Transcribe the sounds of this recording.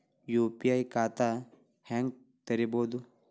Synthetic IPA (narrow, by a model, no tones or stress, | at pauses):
jopiaikaːt̪a | hɛŋɡ | t̪ɐɾiboːd̪u